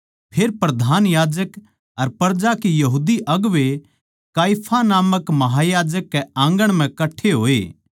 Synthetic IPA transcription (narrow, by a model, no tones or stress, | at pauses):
pʰeːɾpɾɐd̪ʱaːnjaːd͡ʒək | ɐɾpɐɾd͡ʒakijɐɦuːd̪iʔɐɡʋe | kaːjpʰanaːməkmɐɦajaːd͡ʒəkːɛãːŋɡəɽ̃m̤ɛ̃kɐʈʰːeɦoːeː